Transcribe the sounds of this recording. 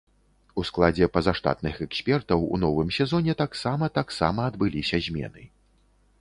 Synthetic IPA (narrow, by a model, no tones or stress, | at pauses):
usklˠad͡zʲɛpɐzaʂt̪a̰t̪nɨxɛksʲpʲɛrt̪ɐwṵnɔvɨmsʲɛzɔnʲɛt̪aksamɐt̪aksa̰mɐːd̪bɨlʲisʲɐzʲmʲɛ̰nɨ